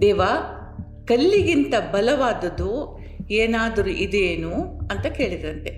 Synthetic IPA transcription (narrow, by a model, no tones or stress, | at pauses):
d̪ɛːʋaː | kɐlːiɡint̪ɐbɐlɐʋaːd̪ɐd̪u | eːnaːd̪ɐɾuʔid̪eːnuɐnt̪ɐke̞ːɭid̪ɐɾɐnt̪e̞